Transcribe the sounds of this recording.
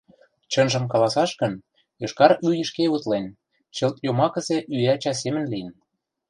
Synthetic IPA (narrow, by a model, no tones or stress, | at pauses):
t͡ɕɤ̆nʒə̆mkɑlɑsɑʃkə̆n | jɤ̆ʃkɑɾyjə̆ʃkeut̪len | t͡ɕɤ̆lt̪jomɑkə̆sĕʔyæt͡ɕɑs̬emə̆nlijən